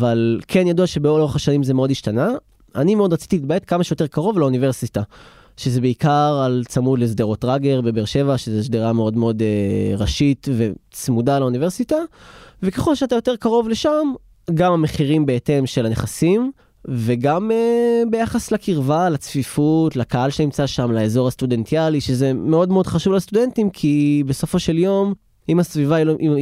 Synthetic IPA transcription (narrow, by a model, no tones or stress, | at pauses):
avalkʰenjaduaʃe̞beoeχaʃanimzemeo̞diʃtana | animeo̞d̪ʁat͡si̥t̪ilit̪̚bae̞t̪kamaʃejote̞ʁkaʁo̞vlauniveʁsita | ʃezebeikaʁalt͡samudlezdeʁo̞tʁaɡe̞ʁbe̞beʁʃe̞vaʃezesdeʁameo̞dmeo̞deʁaʃit̪ve̞t͡smudalaunive̞ʁsitaveke̞χo̞lʃeatajo̞te̞ʁkaʁo̞vle̞ʃam | ɡamameχiʁimbeete̞mʃelaneχasim | veɡamebe̞jaχaslakiʁvalat͡sfifutlakaalʃenimt͡saʃamlaezo̞ʁastude̞ntialiʃezeme̞o̞dmeo̞dχaʃuvlast̪ude̞ntimkʰibe̞sofo̞ʃe̞ljo̞m | imasvivailoʔi